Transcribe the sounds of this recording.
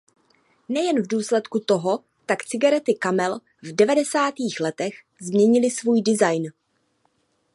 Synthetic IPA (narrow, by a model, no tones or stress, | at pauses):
nɛjɛnvduːslɛt̪kut̪o̞ɦo̞ | t̪akt͡sɪɡaɾɛt̪ɪkamɛl | vdɛvadɛsaːt̪iːxlɛt̪ɛx | zmɲɛɲɪlɪsvuːjdɪzajn